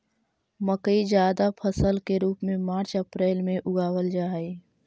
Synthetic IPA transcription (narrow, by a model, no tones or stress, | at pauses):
məkəid͡ʒjaːd̪apʰəsəlkeɾuːpmẽmaːɾt͡ʃəpɾeːlmẽʔʊɡaːwəld͡ʒaːi